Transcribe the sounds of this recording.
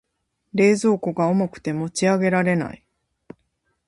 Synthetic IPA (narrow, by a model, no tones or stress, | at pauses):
ɾe̞ːzo̞ːko̞ɡao̞mo̞kɯ̟̥t̪e̞mo̞t͡ɕiaɡe̞ɾaɾe̞na̰i